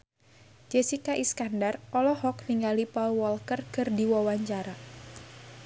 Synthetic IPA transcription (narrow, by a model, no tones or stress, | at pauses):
d͡ʒesikaʔiskandarʔɔlɔhɔk̚niŋɡalipɔlwɔlkərkɨrdiwɔwaɲt͡ʃaɾa